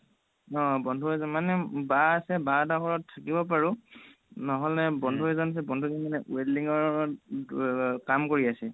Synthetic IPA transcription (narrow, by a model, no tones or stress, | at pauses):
ɔ̃bɔndʱuɦɔzɔmanɛbaasɛbatakʰɔɹɔtʰːakibɔp̬aɹu | nɔɦɔlnɛbɔndʱuɦɔzɔnas̬ɛbɔndʱuzɔnmanɛʔueliŋɔɹ | kamkoɹiasɛ